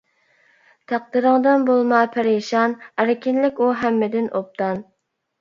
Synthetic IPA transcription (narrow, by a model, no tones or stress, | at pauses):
t̪ʰæq̚d̪ɨɾɨŋd̪ɑnbolˠmɑpʰæɾeʃɑnæɾɪkʲɪnlɪkʲuɦæmːɪd̪ɪnʔop̚t̪ʰɑn